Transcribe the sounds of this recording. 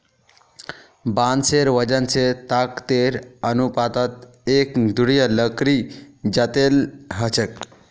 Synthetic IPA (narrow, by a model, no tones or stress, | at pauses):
banseɾʋəd͡ʑant͡set̪akt̪eɾənupat̪at̪ | ekd̪uɽijələkɾid͡ʑat̪elɦət͡ɕək